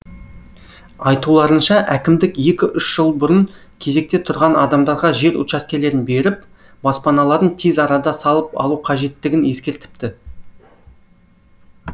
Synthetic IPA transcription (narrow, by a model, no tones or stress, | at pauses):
ɑjt̪ulˠɑɾənʃɑʔækʲɪmd̪ɪkje̞kʲɪʔʏʃʒ̥əlˠbʊɾəɴ | kʲʰe̞ze̞k̚t̪e̞t̪ʰʊɾʁɑnɑd̪ɑmd̪ɑɾʁɑʒe̞ɾʊ̰t̪ʃɑskʲe̞le̞ɾɪnbe̞ɾɪp̚ | b̥ɑspɑnɑlˠɑɾd̪əɴt̪ʰezɑɾɑd̪ɑsɑlˠəpɑ̰lˠuqʰɑʒe̞t̪ːɪɡʲɪne̞skʲe̞ɾt̪ɪ̥p̚t̪ɪ